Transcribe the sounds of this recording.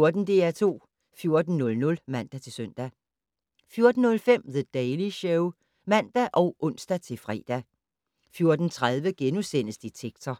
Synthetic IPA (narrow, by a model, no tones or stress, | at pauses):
oɐd̥n̩d̥e̝̰ːæt͡sʰo̝̰ː | fjo̝ɐd̥n̩nɔ̽lnɔ̽lmæn̰d̥æt͡sʰe̝lsøn̰d̥æ | fjo̝ɐd̥n̩ːɔ̽lfem̰ðəd̥ɛɪliɕœʊ | mæn̰d̥æʔɒ̽ʊʔɔ̽n̰sd̥æt͡sʰe̝lfʁɛ̰ːd̥æ | fjo̝ɐd̥n̩t͡sʰʁað̞ˠʋəɡ̥enusen̰əsd̥it͡sʰeɡ̥t͡sʰɐ